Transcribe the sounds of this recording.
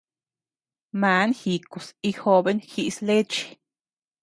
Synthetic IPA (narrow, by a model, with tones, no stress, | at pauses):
ma˨˦nxi˧ko˨si˧xo˧be˦nxi˧ʔsle˦t͡ʃi̥˧